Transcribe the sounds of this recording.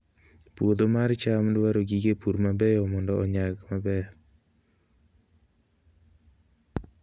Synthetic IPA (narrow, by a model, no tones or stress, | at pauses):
pwod̪omaɾt͡ʃamdwaɾoɡiɡepuɾmabɛjɔmɔndɔɔɲaɡmabɛ